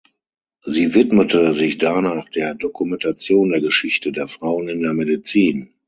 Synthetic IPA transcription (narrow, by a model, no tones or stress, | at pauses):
ziːvɪtmətəzɪçd̥anaːχd̥eːɐdɔkumɛntat͡sjoːndeːɐɡəʃɪçtədeːɐfʁ̥aʊənɪndeːɐmedit͡siːn